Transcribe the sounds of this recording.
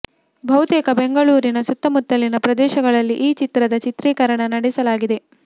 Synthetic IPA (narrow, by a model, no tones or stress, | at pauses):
bʱɐwt̪eːkɐbeŋɡɐɭuːɾinɐsut̪ːɐmut̪ːɐlinɐpɾɐd̪ɛːʃɐɡɐɭɐlːiʔiːt͡ʃit̪ɾɐd̪ɐt͡ʃit̪ɾiːkɐɾɐɳɐnɐɽɛsɐlaːɡid̪e̞